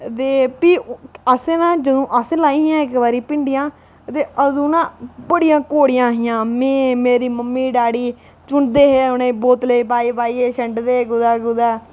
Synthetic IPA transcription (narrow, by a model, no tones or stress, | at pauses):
t̪eːpiːəseːnãːd͡ʒəd̪õːʔəslaːiːɦɪjãːɪkbaːɾiːpɪɳɖɪjãː | t̪eːʔəd̪ũːnãːbəɽijãːkoːɽɪjãːɦɪjãːmẽːmeːɾiːməmːiːɖaːɽiː | t͡ʃʊɳd̪eːɦeːʊnẽːboːt̪ləiːpaːiːbaːiːeːʃəɳɖd̪eːɡʊd̪aːɡʊd̪aː